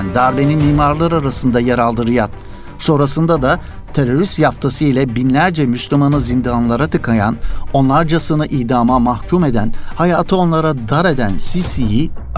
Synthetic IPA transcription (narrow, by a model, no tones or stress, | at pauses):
nd̪aɾbe̞nimiːmaɾlˠaɾaɾasɯnd̪ajaɾalˠd̪ɯɾɯjat̪̚ | so̞nɾasɯnd̪ad̪a | t̪ʰe̞ɾo̞ɾyst̪jaft̪ʰasɯilʲɛbinlʲæɾd͡ʒɛmyslʲymanɯzind̪anlˠaɾat̪ʰɯkʰaja̰no̞nlˠaɾd͡ʒasɯnɯʔiːd̪aːmamahcʰume̞d̪ænhajaːt̪ʰɯo̞nlˠaɾad̪aɾe̞d̪ænsisiji